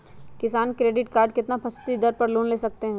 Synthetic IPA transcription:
kɪsaːnkɾeːɖɪʈkaːɾɖkɪt̪napʰɐst̪id̪ɐɾpɐɾluːnleːsɐk̚t̪eɦɛ̃ː

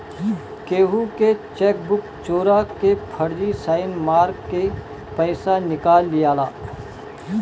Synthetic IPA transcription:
keːɦuket͡ʃɛːk̚bʊk | t͡ʃoːɾakepʰɐɾd͡ʒisaːɪnmaːɾkːe | pɛɪsanɪkaːlːijaːlaː

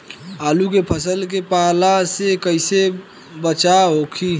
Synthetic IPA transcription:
aːlukepʰəsəlk̬epalasekəɪse | bət͡ʃaɦokʰi

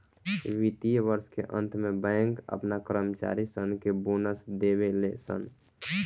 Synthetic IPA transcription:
ʋit̪ijʋəɾskeʔə̰̃nt̪ʰmẽbəɪŋkə̰pnakɾəmt͡ʃa̰ɾisənkebonəsd̪ebelesə̰n

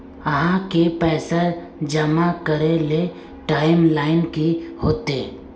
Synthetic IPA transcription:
əɦãkepɛːsəɾd͡ʒəmakəɾele | ʈaːɪmlaːɪnkihoːt̪eː

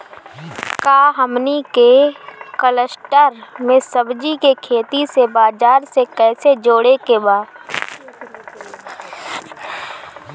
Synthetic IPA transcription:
kaːɦəmnikekələsʈəɾmẽsəbd͡ʒikekʰeːt̪isebaːd͡ʒaːɾsekɛːsed͡ʒoːɽekebaː

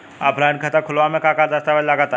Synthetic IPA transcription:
a̰ːpɾaːnkʰət̪akʰʊlʋamẽkakaːɾd̪əst̪aʋəllaɡat̪

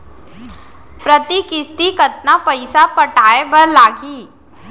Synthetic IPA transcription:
pɾət̪ikɪst̪ikɐt̪̚napɐɪsapɐʈaːebəɾlaːɡiː

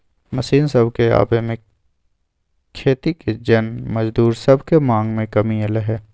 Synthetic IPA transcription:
mɐsiːnsɐbʱkea̰ːbemẽ | kʰeːt̪iked͡ʒɐnmɐd͡ʒd̪uːɾsɐbʱkemãːŋɡmẽkɐmieleɦɛː

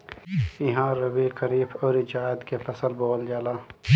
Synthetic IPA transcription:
ɪɦãːɾəbikɐɾiːbʰɔːɾid͡ʒaːjəd̪kefɐsəlboːld͡ʒaːlaː

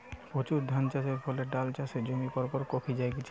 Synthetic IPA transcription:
pot͡ɕuɾd̪ʱant͡ɕaʃeɾfʰɔleɖalt͡ɕased͡ʑomikɔɾpɔɾkopʰid͡ʑajɡit͡ɕʰ

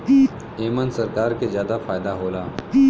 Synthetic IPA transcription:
eːmənsɐɾkaːɾkezjaːd̪afaːjd̪aɦoːlaː

